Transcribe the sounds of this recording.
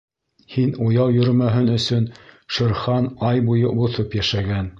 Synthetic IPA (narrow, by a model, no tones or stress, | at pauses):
hinujɑwjɵ̆ɾmæɦɘnɵ̆sɵnʃɤ̆ɾχɑnɑjbujɤbuθɤpjæʃæɡæn